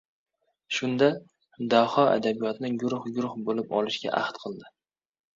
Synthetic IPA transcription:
ʃʊnd̪a | d̪ahɒa̰d̪abijɒt̪nɪɡʊɾʊχɡʊɾʊχbolɪpɒ̰lɪʃɡʲa̰ʔa̰ht̪qʰɨlˠd̪ɪ

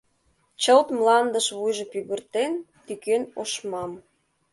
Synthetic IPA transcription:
t͡ɕəlt̪mlɑnd̪əʃβujʒɤ̆pyɣə̆rt̪en | t̪ykenoʃmɑm

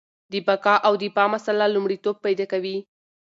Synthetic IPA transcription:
d̪əbakɑʔawd̪əpɑmasalalumɽit̪ob̚pajd̪ɑkawi

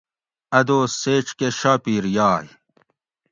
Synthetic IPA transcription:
ɐd̪oːseːʈ͡ʂkeɕaːpiːɾjaːj

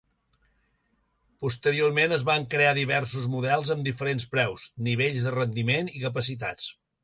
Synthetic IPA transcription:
pust̪əɾiormenəzβaŋkɾeaðiβɛɾsuzmuðɛlˠzəmd̪ifəɾenspɾɛwsniβ̞eʎzðərənd̪imenikəp̬əsit̪a̰t͡s

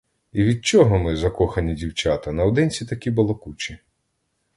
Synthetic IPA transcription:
iʋʲid̪̚t͡ʃɔɦɔmɪzɐkɔxɐnʲidʲiwt͡ʃat̪ɐnɐɔd̪ɪnʲt͡sʲit̪ɐkʲibʊlˠɔkut͡ʃʲi

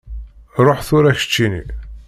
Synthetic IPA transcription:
ɾˤoħθʊɾæçə̥t͡ʃːinḭ

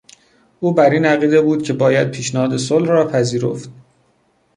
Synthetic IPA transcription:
ʔuːbæɾiːnæɣiːd̪ebuːd̪̥̚cʰe̞bɒːjæd̪̚pʰiːʃnæhɒːd̪e̞solhrɒːpʰæziːɾo̰ft̪̚

